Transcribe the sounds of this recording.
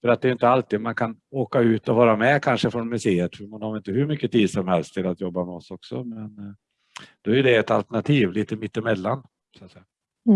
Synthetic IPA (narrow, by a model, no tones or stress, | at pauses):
fœɾat̪̚d̪ɛjʏɪnt̪əalt̪iːd̪mankʰanoːkaʉ̟ːt̪ɔvɑːɾamɛkʰanʂəfɾɔnmɵseːət̪fœɾmanhaɾɪnt̪əhɵɾmʏkːət̪ʰiːd̪sɔmhɛlst̪ʰɪlat̪jɔbːamɛɔsɔksɔmɛn | d̪̥ɔæjɵd̪ɛɛt̪alt̪ɛɳat̪ʰiːvliːt̪əmɪt̪ːɪmɛlːan | sat̪sɛjːa